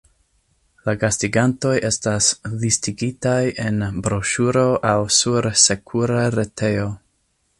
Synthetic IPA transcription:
laɡastiɡanto̞jʔe̞staslistiɡitajʔe̞nbɾo̞ʃuɾo̞ʔawsuɾse̞kʰuɾaɾe̞tʰe̞o̞

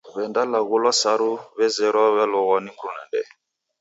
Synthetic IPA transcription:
βɛndalaɣolɔsaɾuβɛzɛɾɔβɛlɔɣɔnibɾunɛ̰ndɛ̰

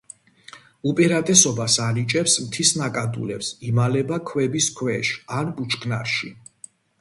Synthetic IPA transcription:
upʼiɾat̪ʼɛsɔbasanit͡ʃʼɛpsmt̪ʰisnakʼad̪ṵlɛpsimalɛbakʰwɛbiskʰwɛʃanbut͡ʃʰɡnaɾʃi

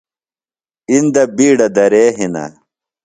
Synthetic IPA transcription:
ind̪ɐbiːɽɐd̪ɐɾeːɦinɐ̰

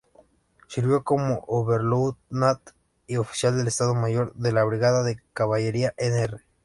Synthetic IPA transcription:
siɾβjo̞ko̞moʔoβe̞ɾluwt̪nat̪ | io̞fi̥sjald̪e̞lest̪aðo̞maʝo̞ɾðe̞laβɾiɣaðaðe̞kaβaʝe̞ɾiaʔenere

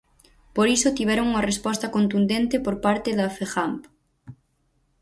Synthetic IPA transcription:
poɾisot̪iβ̞ɛɾoŋuŋɐrespɔst̪ɐkont̪und̪ent̪epoɾpaɾt̪eðɐfexamp

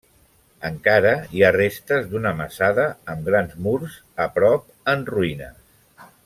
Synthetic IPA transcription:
əŋkaɾəiarest̪əzd̪unəməsaðəːmɡɾanzmuɾz | əpɾɔp̚ənruinə̰

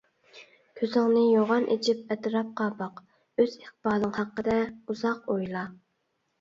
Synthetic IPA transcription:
kʲʰøzɪŋnɪjoʁɑnʔḛt͡ʃʰip̚ɛt̪ɾɑp̚qɑːbɑq | øz̥eχt̪bɑːlˠɨŋhɑqːəd̪ɛuzɑqojlˠɑ

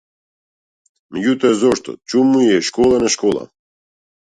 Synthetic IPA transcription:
mɛɟʲut̪ɔɛzɔʃt̪ɔ̰t͡ʃumujɛʃkɔlˠanɛʃkɔlˠa̰

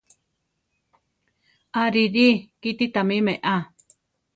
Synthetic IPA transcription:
aɾiɾikit̪it̪amĩmẽʔa

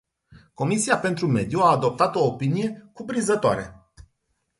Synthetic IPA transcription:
ko̞misiape̞nt̪ɾume̞d̪juaːd̪o̞p̚t̪at̪o̞ːpinije̞kupɾinzət̪oa̰ɾe

